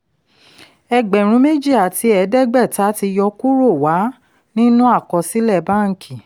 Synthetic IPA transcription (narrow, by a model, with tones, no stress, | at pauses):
ɛ˧ɡ͡bɛ˨ɾ̃ũ˨˦me˦d͡ʒi˦˨a˨ti˧˦ɛ˧dɛ˦ɡ͡bɛ˦˨ta˨˦ti˧jɔ˧ku˦ɾo˦˨wa˨˦ | nĩ˦nũ˦a˦˨kɔ˧si˦lɛ˦˨ba˦ŋ̩˨kĩ˨